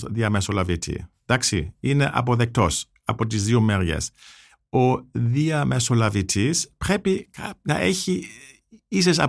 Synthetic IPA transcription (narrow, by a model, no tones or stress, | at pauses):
ðiɐmesolɐvit̪ʰḭd̪̥ɐksḭine̞ʔɐ̰p̬o̞ðek̚t̪o̞s | ɐpo̞t̪̬izðiomeɾʝḛs | oðiɐmesolɐvit̪ʰispɾe̞piknɐ̰ʔeçi | is̬esɐ̰